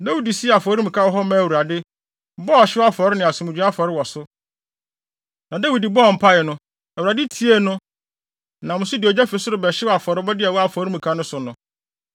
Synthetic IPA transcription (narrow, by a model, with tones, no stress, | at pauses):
da˦wi˨di˨si˦˨a˨fɔ˨˦ɾi˦mũ˨kʰa˦wɔ˦ɦɔ˦mã˦˨wu˨ɾa˨dɪ˦ | bɔ˦˨ɕɪ˦a˦fɔ˨ɾɪ˦nɪ̃˨a˨sʊ̃˨mɪ̃˨d͡ʑᶣã˦a˦fɔ˨ɾɪ˦wɔ˨sʊ˦ | nã˨da˦wi˨di˨bɔ˦ɔ˨m̩˨pʰa˦jɛ˨nʊ̃˦ | a˨u˨ɾa˨dɪ˦tʰi˨˦e˦nʊ̃˦ | nã˨mʊ̃˨sʊ˦dɪ˨ɔ˨d͡ʑɛ˦fe˨sʊ˦ɾʊ˨bɛ˨ɕɪ˦wa˨fɔ˨ɾɪ˦bɔ˦dɪ˦ɛ˨wɔ˦a˨fɔː˨˦ɾĩ˦mũ˨kʰa˦nʊ̃˦sʊ˨nʊ̃˨